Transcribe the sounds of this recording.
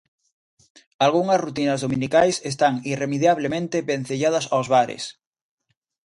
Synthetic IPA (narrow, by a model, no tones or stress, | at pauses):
alɣuŋɐsrut̪inɐzðominikajses̬t̪aŋiremeðjaβ̞lemẽnt̪eben̟θeʎaðɐsawzβaɾḛs